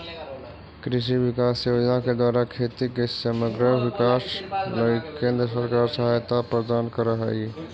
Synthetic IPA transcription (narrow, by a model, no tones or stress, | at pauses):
kɾis̬ibikasːewəd͡ʒənaked̪waɾakʰet̪ikesəməɡɾəbikasnəikẽnd̪ɾəsəɾkaɾsəɦajt̪apɾəd̪ankəɾəɦə